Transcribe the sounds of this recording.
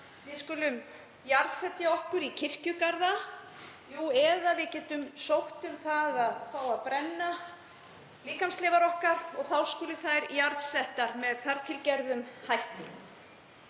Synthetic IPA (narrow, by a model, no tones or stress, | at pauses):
vɪðskʏːlʏm | jaɾðsɛt̪jaɔhkʏɾicʰɪr̥cʏkaɾða | juːɛðaðvɪcɛːt̪ʏmsowht̪ʏmθaðaðθawaðpɾɛnːa | liːkamslɪːvaɾɔhkaɾɔɣθawskʏːlʏθajɾjaɾðsɛht̪aɾmɛðθaɾt̪ʰɪlcɛɾðʏmhajht̪ɪ